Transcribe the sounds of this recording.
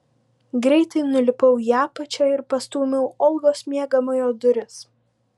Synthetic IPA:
ɡɾʲɛɪt̪ɐɪnʊlʲɪpɐʊjæːpɐt͡ʃʲɛɪɾpɐst̪uːmʲɛʊɔlˠɡoːsmʲiɛɡɐmɐjoːd̪ʊɾʲɪs

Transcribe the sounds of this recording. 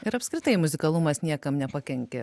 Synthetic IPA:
ɪɾɐpʲskɾʲɪt̪ɐɪmʊzʲɪkɐlˠʊmɐsnʲiɛkɐmnʲɛpɑkʲɛŋʲkʲɛ̰

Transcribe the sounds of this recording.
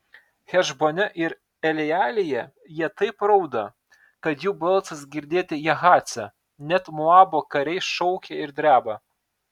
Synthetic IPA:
xʲɛʒbonʲɛʔɪɾ | ɛlʲɛjæːlʲɪjɛ | jiɛt̪ɐɪpɾɐʊd̪ɐ | kɐt̪juːbɐlˠˑt̪sɐsɡʲɪɾʲd̪ʲeːt̪ʲɪjɛɣɑːt̪sʲɛ | nʲɛt̪mʊɑːboːkɐɾʲɛɪʃɔʊkʲɛɪɾd̪ʲɾʲæːbɐ

